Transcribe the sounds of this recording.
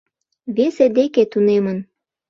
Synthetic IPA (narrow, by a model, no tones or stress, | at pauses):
βesed̪eket̪unemən